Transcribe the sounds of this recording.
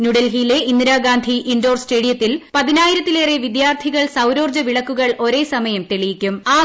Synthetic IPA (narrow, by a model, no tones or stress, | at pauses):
nuɽelɦijle̞ʔinːɾaːɡaːnd̪ʱiʔindo̞ːrste̞ːɽijɐt̪ːilpɐðinaːjiɾɐt̪ːileːreʋid̪jaːrt̪ʰiɣɐɭsɐwɾo̞ːrd͡ʑɐʋiɭɐkːuɣɐɭo̞ɾe̞ːsɐmɐjɐmt̪eɭijikʲːumaː